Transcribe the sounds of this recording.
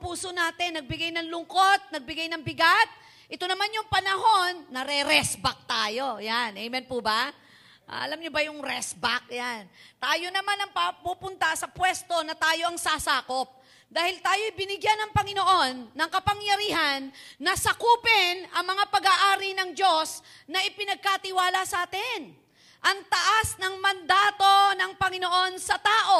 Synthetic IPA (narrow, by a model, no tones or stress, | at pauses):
puːsonaːt̪ɪnːɐɡ̚bɪɡajnɐŋlʊŋko̞t̪̚nɐɡ̚bɪɡajnɐŋbɪɡat̪̚ | ʔɪt̪o̞nɐmanjʊŋpɐnɐɦo̞nːɐɾɛɾɛsbɐk̚t̪aːjo̞janʔɛjmɛnpʊbɐ | ʔʔɐ̰lamɲobɐjʊŋɾɛsbak̚jant̪aːjo̞nɐmanɐŋpɐpupʊnt̪ɐsɐpwɛst̪o̞nɐt̪aːjo̞ʔɐŋsasaːko̞p̚ | d̪aːhɪlt̪aːjo̞jbɪnɪɡjanɐŋpɐŋɪno̞ʔo̞nːɐŋkɐpɐŋjɐɾiːɦɐnːɐsɐkuːpɪnɐŋmɐŋapɐɡaːʔaːɾinɐŋd͡ʒo̞s | nɐʔɪpɪnɐɡ̚kat̪ɪwaːlɐsɐʔaːt̪ɪn | ʔɐŋt̪ɐʔasnɐŋmɐnd̪aːt̪o̞nɐŋpɐŋɪno̞ʔo̞nsɐt̪aːʔo̞